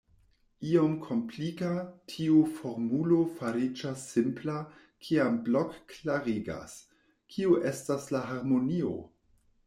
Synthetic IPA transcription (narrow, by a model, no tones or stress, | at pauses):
iomkʰo̞mplikatʰiufo̞ɾmulofaɾid͡ʒasːimpla | kʰiamblokklaɾiɡa̰s | kʰiuʔe̞staslaɦaɾmo̞nio̞̰